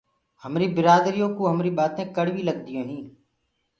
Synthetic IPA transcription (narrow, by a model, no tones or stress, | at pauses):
həmɾiːbɪɾaːd̪ɾijõːkõːɦəmɾiːɓaːt̪ẽːkəɽʋiːləɡd̪ɪjõːɦĩː